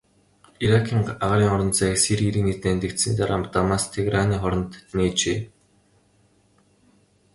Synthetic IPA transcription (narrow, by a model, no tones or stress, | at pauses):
iɾakʰiːŋaʁɾiːŋɔɾɞ̆nt̪t͡sæːksiɾiiɾiːŋnet̪eːnt̪ĕkt̪sĭːt̪aɾampt̪amaːst̪ʰeɣraniːχɔɾɞ̆nt̪neːt͡ɕeː